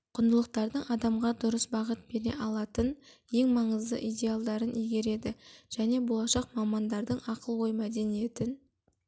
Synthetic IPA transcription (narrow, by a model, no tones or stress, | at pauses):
qʰʊnd̪əlˠəq̚t̪ɑɾd̪əɴɑd̪ɑmʁɑd̪ʊɾəsbɑʁət̪̚be̞ɾe̞̰ʔɑlˠɑt̪ənje̞ŋmɑɴəzd̪ə̰ʔid̪ʲe̞alˠd̪ɑɾənʔijɡʲe̞ɾe̞d̪ɪʒ̥æne̞bo̞lˠɑʃɑqmɑmɑnd̪ɑɾd̪əɴɑqʰəlˠwo̞jmæd̪e̞nije̞t̪ɪn